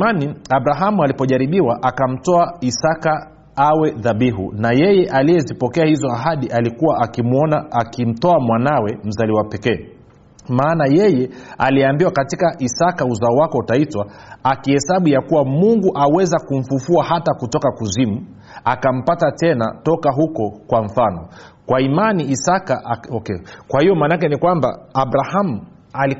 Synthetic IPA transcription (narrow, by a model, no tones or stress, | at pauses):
maniaɓɾaɦamualipɔʄaɾiɓiwaʔakam̩tɔaisaka | awɛðaɓiɦṵnajɛjɛʔalijɛzipɔkɛahizɔaɦaɗiʔalikuwaakimɔnaakim̩tɔamwanawɛm̩zaliwapɛkɛː | maːnajɛjɛaliambiwakatikaʔisakauzaɔwakɔutaitwa | akihɛsaɓujakuwamuŋɡuʔawɛzakum̩fufuaɦatakutɔkakuzimu | akam̩patatɛna̰tɔkaɦukɔkwaɱ̩fanɔkwaimaniːsakaʔɔkɛkwahijɔmaːnak̬ɛnikwamba̰aɓɾahamu | ali